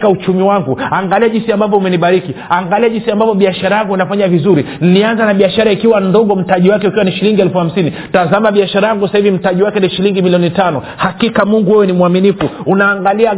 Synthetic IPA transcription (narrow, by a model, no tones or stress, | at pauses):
kaut͡ʃumiwaŋɡuaŋɡaliaʄinsiambavɔumɛniɓaɾikiaŋɡaliaʄinsiambavɔɓiaʃaɾajaŋɡuinafaɲavizuɾin̩nianzanaɓiaʃaɾaikiwandɔɠɔm̩taʄiwakɛukiwaniʃiliŋɡiɛlfuham̩sini | tazamaɓiaʃaɾajaŋɡusahivim̩taʄiwakɛniʃiliŋɡimiliɔnitanɔ | hakikamuŋɡuwɛwɛnimuaminifuunaːŋɡalia